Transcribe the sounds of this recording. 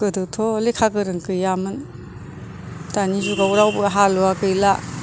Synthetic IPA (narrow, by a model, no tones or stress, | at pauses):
kɯdɯtʰɔlekʰakɯɾɯŋkɯjamɯn | tanizuɡauɾawbɯaɦaluakɯjla